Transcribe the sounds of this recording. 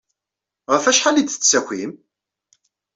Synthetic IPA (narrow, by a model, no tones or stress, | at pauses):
ʁəfæʃħalid̪θəsækʷːim